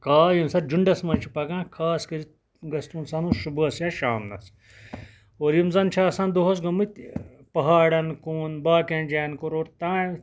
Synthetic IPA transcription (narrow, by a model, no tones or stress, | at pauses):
kaːjimsɐɾd͡ʒuɳɖɐsmɐnt͡ʃʰipɐɡãːkʰaːskɐɾi | ɡɐst̪uːnsɐnuːʃubɐsjaʃaːmnɐ̰s | oːɾjimzɐnt͡ʃʰaːsãːnd̪oɦɐs̬ɡɐmɨt̪ʲ | pɐɦaːɽɐnkuːnbaːkãːnd͡ʒaːnkoɾoːɾt̪ãː